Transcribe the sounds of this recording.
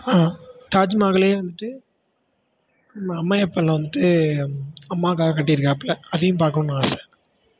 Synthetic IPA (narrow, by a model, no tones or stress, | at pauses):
aːʈaːd͡ʒmaːɣɐleːʋɐnd̪ɯʈːɯ | ɐmɐːɐmːaːɛpːɐːlãːʋɐnd̪ɯʈːɯ | ɐmːaːkaːɣɐkɐʈːijɾɯkːɐpːlɐɐðɐjʊ̃mpaːɾkɐɳõnaaːsɛ̥